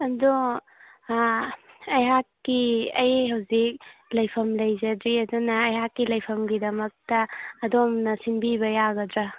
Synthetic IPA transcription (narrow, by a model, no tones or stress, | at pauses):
ɐdo | ɐjɦakːiɐjɦɐwzik̚lɐjpʰɐmlɐjzɐdɾiɐdunɐːjɦakːilɐjpʰɐmɡidɐmɐk̚tɐːdomnɐsinbiβɐjaɡɐdɾa